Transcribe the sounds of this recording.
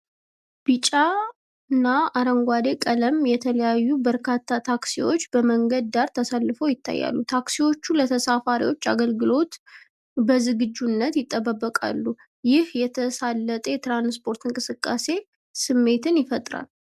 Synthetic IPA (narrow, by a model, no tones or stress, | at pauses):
b̥it͡ʃʼa | ɨnːaʔaɾəŋɡʷad̪e̞kʼələmjɛt̪ʰələjajːubəɾkʰat̪ʰːat̪ʰaksiwo̞t͡ʃːbəməŋɡəd̪̚d̪aɾt̪ʰəsalːɨfəwjɪt̪ʰːa̰jːa̰lːut̪ʰaksiwo̞t͡ʃːulət̪ʰəsafaɾḭwo̞t͡ʃːa̰ɡəlɡɨlo̞t̪ | bəzɨɡɨd͡ʒːunːət̪jɪt̪ʼːəbəbːəkʼa̰lːu | jɪhjɛt̪ʰəsalːət̪ʼəjɛt̪ɾanspʰo̞ɾt̪ɨŋkʼɨsɨkʼːase̞ | sɨmːe̞t̪ʰɨnjɪfət̪ʼɾa̰l